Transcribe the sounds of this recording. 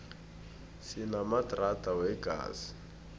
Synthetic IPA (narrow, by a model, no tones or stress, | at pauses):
sɪnamadratʼawɛɡʼa̰ːzi̥